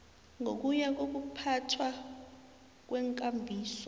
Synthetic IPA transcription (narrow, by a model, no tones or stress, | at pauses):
ŋʱok̬uɲak̬ok̬upʰatʰwa | k̬wɛŋkʼambʱiːsɔ